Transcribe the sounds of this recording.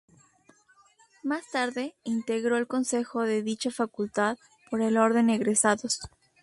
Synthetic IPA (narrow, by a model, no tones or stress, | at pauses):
mast̪aɾðe̞int̪e̞ɣɾo̞elko̞nse̞xo̞ðe̞ðit͡ʃafakult̪að | po̞ɾe̞lo̞ɾðe̞neɣɾesaðos